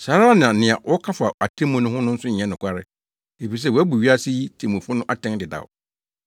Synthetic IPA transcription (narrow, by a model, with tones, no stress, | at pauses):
saː˨˦ɾa˦nã˨nɪ̃˨a˨ʔɔ˦kʰa˦fa˨a˨tʰẽ˦mʊ̃˦nʊ̃˦hʊ̃˦nʊ̃˦n̩˦sʊ˦ɲ˨ɛ̃˦nʊ̃˨kʷʰa˦ɾɪ˦ | e˨fi˨s̬ɛ˦˨wɔ˨˦æ˦bu˨ɥi˦a˦si˦ji˦tʰẽ˨mũ˨fʊ˦nʊ̃˦ʔa˦tʰɛ̃˦ŋ˦dɪ˨da̰˨w̰